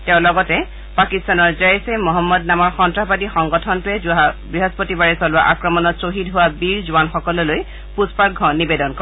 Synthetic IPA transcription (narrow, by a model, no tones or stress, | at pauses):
tɛʊ̃lɔɡɔtɛ | pakistanɔɹzajjsɛmɔɦɔmːɔdnamɔɹxɔntɹabadixɔŋɡɔtʰɔntʊɛbɹiɦɔspotibaɹisɔlʊwa̰ʔakɹɔmɔnɔtsoɦidɦʊwabiɹzʊwanxɔkɔlɔloj | puspaɹɡʱɔnibedɔnkɔ